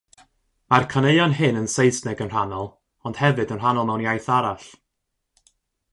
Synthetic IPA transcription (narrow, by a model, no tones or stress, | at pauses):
markʰaneɨanɦɨnənsejsnɛɡənr̥anɔlˠ | ɔnd̥hɛvɨdənr̥anɔlˠmɛwnjajθaɾaɬ